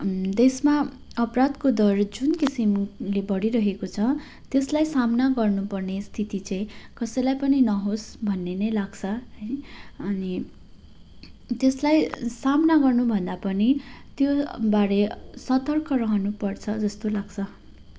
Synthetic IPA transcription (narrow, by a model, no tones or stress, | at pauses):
d̪esma | ʌprad̪kod̪ʌrd͡zunkisimlebʌɽiɾʌɦekot͡sʰʌ | t̪eslajsamnaɡʌrnupʌrnest̪ʰit̪it͡sʌ̃ĩkʌsʌjlajpʌninʌɦosbʱʌnːenʌjlaɡt͡sʰʌɦʌjʌni | t̪eslajsamnaɡʌrnubʱʌnd̪apʌnit̪jobaɾesʌt̪ʌrkʌɾʌɦʌnupʌrt͡sʰʌd͡zʌst̪olaɡt͡sʰʌ